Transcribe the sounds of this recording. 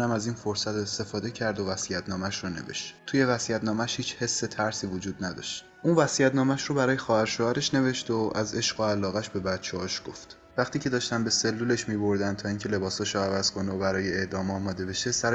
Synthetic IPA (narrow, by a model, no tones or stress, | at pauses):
æmæziːnfo̞ɾsæt̪est̪e̞fɒːd̪e̞cʰæɾd̪ovæsijæt̪ʰnɒːmæʃrone̞̰vḛʃt̪t̪ʰuje̞væsijæt̪nɒːmæʃhiːt͡ʃʰhe̞sːet̪ʰæɾsiːvod͡ʒuːd̪næd̪ɒ̰ʃt̪ | ʔunvæsijæt̪nɒːmæʃɾobæɾɒːje̞xɒːhæɾʃoæɾeʃne̞veʃt̪oʔæze̞ʃɢoælːɒːɣæʃbe̞bæd̪̥̚t͡ʃʰehɒːʃɡ̥o̞ft̪ | væχt̪iːcʰe̞d̪ɒːʃt̪ænbe̞se̞lːuːleʃmiːbo̞ɾd̪ænd̪t̪ʰɒːiːŋcʰe̞le̞bɒːsɒʃoævæz̥kʰo̞neobæɾɒːjeeʔd̪ɒːmɒːmɒːd̪e̞be̞ʃesæɾ